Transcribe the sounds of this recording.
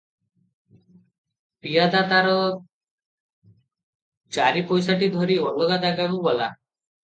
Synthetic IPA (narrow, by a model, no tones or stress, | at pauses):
pijad̪at̪aɾɔ | t͡ʃaɾipɔjsaʈid̪ʱɔɾiɔlɔɡad̪aɡaɽubɔla̰